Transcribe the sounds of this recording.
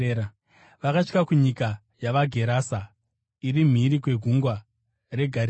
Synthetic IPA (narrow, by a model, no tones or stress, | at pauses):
ʋakaʂkakuɲika | jaʋaɡʱe̞ɾaːsa | irim̤iɾikwe̞ɡʱuŋɡwa | re̞ɡʱaɾ